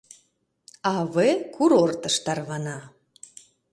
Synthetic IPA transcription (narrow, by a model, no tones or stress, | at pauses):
ɑβekʰuɾort̪əʃt̪ɑrβɑnɑ